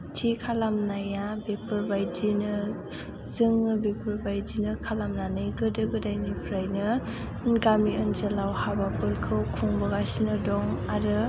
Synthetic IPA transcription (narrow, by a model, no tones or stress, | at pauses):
tʰikʰalamnajabepʰɯɾbajdinɯ | zɯŋɯbepʰɯɾbajdinɯkʰalamnanɯjɡɯdɯɡɯdajnipʰɾajnɯ | nɡamiɯnzelawhabapɯɾkʰɯwkʰuŋbɯɡasinɯdɔŋaɾɯ